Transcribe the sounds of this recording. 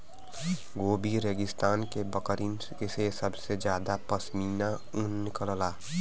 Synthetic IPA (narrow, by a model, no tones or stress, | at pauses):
ɡoːbiɾeɡɪst̪aːnkebəkəɾin | kesesəbsed͡ʒjaːd̪apəsmiːna | ʊnːɪkələlaː